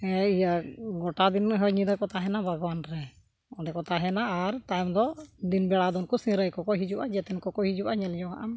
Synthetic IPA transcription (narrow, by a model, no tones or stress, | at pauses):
ɛijaɡɔʈad̪inɦɔɲid̪akɔt̪aɦɛnabʱaɡwanɾɛ | ɔɖɛkɔt̪aɦɛnaːɾt̪ajmd̪ɔd̪inbɛɽad̪ɔnkɔsĩɾəjkɔkɔɦid͡ʒuwʔad͡ʒɛt̪ɛnkɔkɔɦid͡ʒuʔaɲɛlɲɔɡa̰ʔam